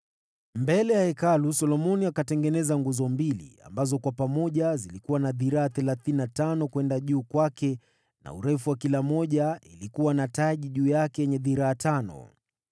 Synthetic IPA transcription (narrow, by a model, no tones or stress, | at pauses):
mbɛlɛjahɛkalusɔlɔmɔniakatɛŋɡɛnɛzaŋɡuzɔmbilḭa̰mbazɔkwapamɔʄazilikuwanaðiɾaːθɛlaθininatanɔkwɛndaʄuːkwakɛ | na̰ṵɾɛfuwakilamɔʄaḭlikuwanataʄiʄuːjakɛjɛɲɛðiɾaːtanɔ̰